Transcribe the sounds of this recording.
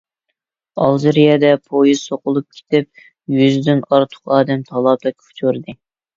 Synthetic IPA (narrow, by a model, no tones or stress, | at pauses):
ɑlˠzɾijɛd̪ɛpʰojiz̥soqʊlˠup̚kʲʰe̥t̪ɪp̚ | jyzd̪ynɑɾt̪ʰʊ̥qɑːd̪ɛmt̪ʰɑlˠɑːb̚t̪ɛkʲʰu̥t͡ʃ̪oɾd̪ɨ